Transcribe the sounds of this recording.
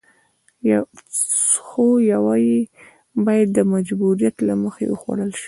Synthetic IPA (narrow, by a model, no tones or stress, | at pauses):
j | xojawɑji | bɑjad̪̚ːəmad͡ʒbuɾijat̪laməxḛwəxwa̰ɽəlʃi̥